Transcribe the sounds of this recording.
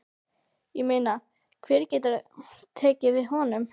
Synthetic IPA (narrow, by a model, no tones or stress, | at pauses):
jɛmejna | kʰvɛːɾcɛːt̪aɾt̪ʰɛːcɪvɪðhɔnʏm